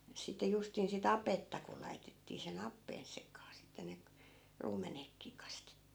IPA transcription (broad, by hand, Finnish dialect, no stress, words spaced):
sitˑe justin sit ɑpetːɑ ku lɑitetːiː sen ɑpːeːn sekɑː sitːe ne k ruːmenekːiː kɑstetːiː